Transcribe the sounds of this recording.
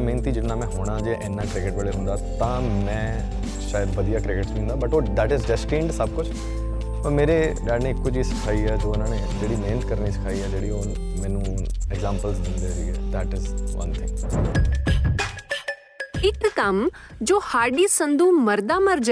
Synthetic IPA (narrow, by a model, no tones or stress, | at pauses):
mẽːnt̪id͡ʒɪnãmɛ̃ɦoːɽ̃ãd͡ʒeʔẽːnːãkɾɪkɪʈʋeːɭeɦʊ̃nd̪at̪ãmɛ̃ː | ʃaːjəd̪ʋɐd̪ijakɾɪkɪʈsʋĩːnd̪abɐʈod̪æːʈɪzɖɛsʈĩːɳɖsɐb̚kʊt͡ʃʰ | pɐɾmeːɾeɗaːɖnẽɪkːʊd͡ʒisɪ̥kʰaːiɦɛːd͡ʒoːɪnãːne | d͡ʒeːɽimeːnət̪kɐɾnisɪ̥kʰaːiɦɛd͡ʒeːɽioː | mɛ̃ːnũɛɡzãːmpəlzʋɪ̃nd̪eːɾḭɦɛːd̪æʈɪzʋɐ̰̃nt̪ʰɪ̰̃ŋɡ | ɪkːɐmd͡ʒoːhaːɾɖisɐ̃nd̪ʱuːmɐɾd̪amɐɾd͡ʒ